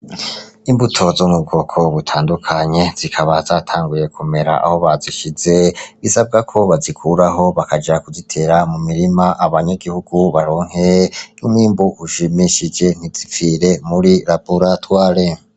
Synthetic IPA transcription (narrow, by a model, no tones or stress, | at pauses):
imbutʰo̞zomub̚ɡo̞ːkʰo̞βutʰaːndukʰaɲe̞z̥ikʰaβazaːtʰaːŋɡuje̞kʰume̞ɾa̰ʔa̰ho̞βaziʃizeβisab̚ɡakʰo̞βazikʰuɾaɦo̞βakad͡ʒakuzitʰe̞ːɾamumiɾimaʔaβaɲaɡihuɡuβaɾo̞ːŋ̥ɦeumwiːmbuhuʃimiʃid͡ʒe̞n̥izifiɾe̞muɾiɾabuɾatwaːɾe